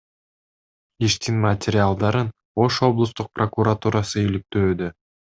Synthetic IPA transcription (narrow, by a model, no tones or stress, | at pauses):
iʃt̪inmatʲɪɾʲɪalˠd̪ɑɾɯn | o̞ʃo̞blˠust̪uq̚prokuɾat̪uɾasɯilik̚t̪ø̞ːd̪ø